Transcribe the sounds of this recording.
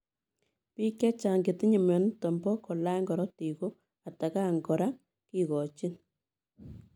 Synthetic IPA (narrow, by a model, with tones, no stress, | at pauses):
pi˦kːɛ˦t͡ʃa˨ŋɡɪ˨tɪ˦ɲi˨mɛ˨n˦tɔ˨mbɔ˦kɔ˨la˦ŋɡɔ˨ɾɔ˦ti˨ko˦ | a˨ta˨ka˦˨ŋɡɔ˨ɾa˦ŋ | ki˨kɔ˨t͡ʃi˦n